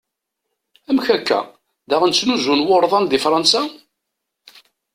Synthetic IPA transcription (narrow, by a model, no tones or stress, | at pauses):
æmçækːæ̰ | ðæʁənt͡sːnuzunwoɾˤðˤɑnd̪ifɾˤɑnsa